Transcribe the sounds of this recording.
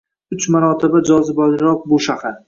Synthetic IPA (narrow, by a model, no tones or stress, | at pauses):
ʊt͡ʃmaɾɒt̪ʰɪbad͡ʒɒzɪbɒlɪɾɒq̚bʊʃahaɾ